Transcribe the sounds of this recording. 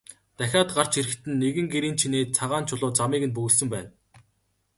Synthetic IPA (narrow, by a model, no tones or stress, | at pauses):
t̪æxʲaːt̪̚ɢar̥t͡ɕʰiɾɘ̆xt̪ɘ̆nːeɣɘ̆ŋɡeɾiːnt͡ɕʰineːt͡sʰaʁaːnt͡ɕʰʊɮʊːt͡samiːɣɘ̆npɵɣɘ̆ɮsɵ̆mpæːn